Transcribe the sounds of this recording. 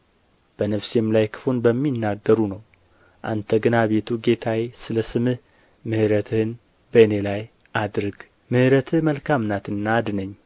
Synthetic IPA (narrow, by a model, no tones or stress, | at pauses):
b̥ənəfsemlajkʰɨ̥fonbəmːinːaɡːəɾunəw | ʔant̪ʰəɡɨnaβe̞t̪ʰuɡe̞t̪ʰajsɨləsɨmɨh | mɨhɨɾət̪ʰɨhɨn | bəne̞laj | ʔad̪ɾɨɡ | mɨhɾət̪ʰɨhməlkʰamnat̪ɨnːaːd̪ɨnəɲː